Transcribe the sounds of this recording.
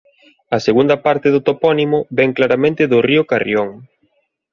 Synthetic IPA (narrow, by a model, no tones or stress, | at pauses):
ɐseɣund̪ɐpaɾt̪ɪðʊt̪opɔnimʊβɛŋklaɾamẽnt̪ɪðʊriʊkarioŋ